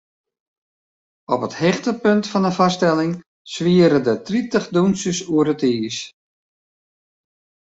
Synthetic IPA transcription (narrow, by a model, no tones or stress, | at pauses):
ɔpəthɛxtəpøntfɑnənfɑstɛlɪŋ | sʋiəɾədətritəχdunsəsuəɾətiːs